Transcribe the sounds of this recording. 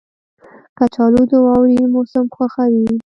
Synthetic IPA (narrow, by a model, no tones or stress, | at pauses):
kat͡ʃɑlud̪əwɑwɽimosamxwaxawi